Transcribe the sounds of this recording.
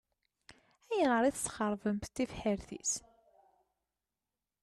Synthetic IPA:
æjənəɾˤiθt͡sːχəɾˤvəmθt̪ːifħəɾθḭs

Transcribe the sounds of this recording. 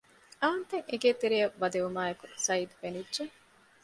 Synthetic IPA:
ɐːɐnt̪eŋeɡeːt̪eɾijɐbɐd̪eumaːekusɐid̪fenidːʒeŋ

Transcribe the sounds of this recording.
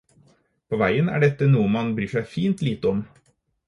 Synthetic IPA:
pʰoːʋæɪənæ̰ːɖɛt̪ːənuːəmɑnbɾyːʂæɪfiːnt̪liːt̪əɔm

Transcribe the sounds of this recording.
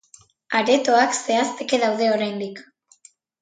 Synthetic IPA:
aɾe̞t̪o̞akse̞ast̪e̞ke̞ðawðe̞o̞ɾajnd̪ik

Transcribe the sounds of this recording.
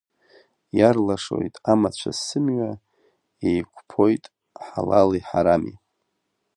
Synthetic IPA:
jarlaʂo̞̰jtʼamat͡ɕʷʰasɨmɥa | ejkʷʰʼpʰo̞jtʼ | ħalaliħaɾami

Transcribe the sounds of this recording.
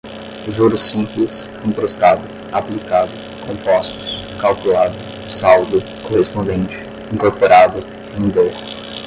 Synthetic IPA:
ʒuɾʊsĩmplɪs | õpɾost̪ad̪ʊ | aplikad̪ʊ | kõmpɔst̪ʊ̥s | kawkulad̪ʊ | sawd̪ʊ | kohespõnd̪ẽnt͡ʃɪ̥ | ĩŋkoɾpoɾad̪ʊ | ẽd̪ow

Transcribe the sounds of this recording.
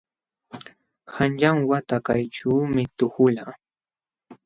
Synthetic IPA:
xanʎaŋwat̪akajʈ͡ʂuːmɪt̪ʊkʊla

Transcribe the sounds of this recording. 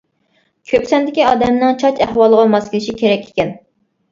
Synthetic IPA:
kʲʰøpsɛnd̪ɪkʲiɑːd̪ɛmnɨŋt͡ʃʰɑt͡ʃæhwɑlˠəʁɑmɑskʲilɪʃikʲʰeɾɛkʲʰːe̥kʲɛn

